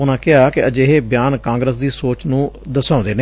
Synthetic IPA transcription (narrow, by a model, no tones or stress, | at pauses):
ʊnãːkɪɦaːkɪəd͡ʒeːɦeːbɪjaːnkãːŋɡɾəs̬d̪iːsoːt͡ʃnũːd̪əsãːnd̪eːneː